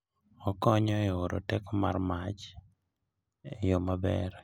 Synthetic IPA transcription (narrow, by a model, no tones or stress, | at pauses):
ɔkɔɲɔɪoɾo̰tɛkɔmarmat͡ʃ | jomabɛ̰ɾ